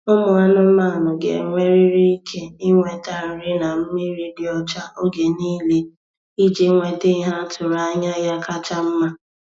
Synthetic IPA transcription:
ʊ˦mʊ˨a˦nʊ˦m̩˦ma˦˨nʊ˨ɡḛ˨ŋʷe˦ɾi˦ɾi˦i˦kʰe˦i˦ŋʷe˦ta˦˨ɾ̩˨ɾɪ˦na˨m̩˦mɪ˦ɾi˦di˨ɔ˦t͡ʃa˦o˦ɡe˨niː˦le˦ | i˦d͡ʒe˦ŋʷe˦te˦i˦ɦa˦tʰʊ˨ɾa˨˦ɲa˦ja˦ka˦t͡ʃa˦m̩˦ma˦

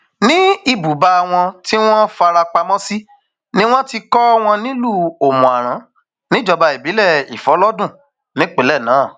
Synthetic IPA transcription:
nĩ˦i˦˨bu˨ba˧˨w̃ɔ̃˧ti˦w̃ɔ̃˦fa˧ɾa˧k͡pa˧mɔ̃˦si˦ | nĩ˦w̃ɔ̃˦ti˧kɔ˦w̃ɔ̃˧nĩ˦lu˦˨o˨mũ˨a˨ɾ̃ã˨˦ | nĩ˦d͡ʒɔ˧ba˧i˨bi˨˦lɛ˦˨i˨fɔ˨˦lɔ˦dũ˦˨ | nĩ˨˦k͡pe˨˦lɛ˦˨nãː˨˦˨

